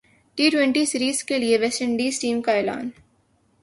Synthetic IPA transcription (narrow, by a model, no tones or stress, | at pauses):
ʈiːʈwẽɳʈisɪɾiːzkelieʋɛsə̃ɳɖiːzʈiːmkaɛːla̰ːn